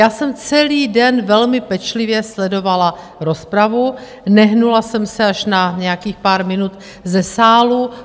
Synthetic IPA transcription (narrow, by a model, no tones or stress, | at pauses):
jaːsɛmt͡sɛliːdɛnvɛlmɪpɛt͡ʃlɪvjɛslɛdo̞vala | ɾo̞spɾavu | nɛɦnulasɛmsɛaʃnaɲɛjakiːxpaːɾmɪnut̪ | zɛsaːlu